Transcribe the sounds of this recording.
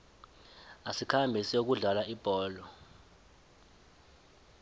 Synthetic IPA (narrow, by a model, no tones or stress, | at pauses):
asikʰambʱisiok̬uɮalaib̥ʱɔːlɔ